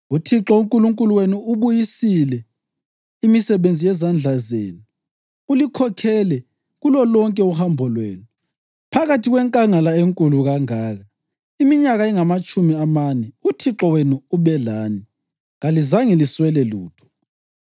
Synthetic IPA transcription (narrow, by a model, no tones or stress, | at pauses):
utʰiǁɔuŋkʼuluŋkʼuluwenuuβujisilɛ | imisɛβend͡zʱijɛzand͡ɮʱazḛːnuː | likʰɔkʰɛlɛ | ɣulɔlɔŋkʼɛuhambʱɔlwḛːnu | pʰaɣatʰiɣwɛŋkʼaŋalaeŋkʼuluɣaŋaːɣa | imiɲaɣaɛŋamat͡ʃʼumiamanɛutʰiǁɔwenuuβɛlaːni | ɣalizaŋɛliswɛlɛluːtʰɔ̥